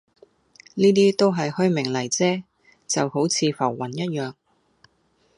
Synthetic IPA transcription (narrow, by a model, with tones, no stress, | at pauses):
niː˥t̪iː˥t̪o˥wɦɐ˨jhɵ˥ɥmɪ˨˩ŋlɐ˨˩jt͡sɛː˥ | t͡sɐ˨who˨˥wt͡sʰiː˨˧fɐ˨˩wːɐ˨˩njɐ˥t̚jœː˨ŋ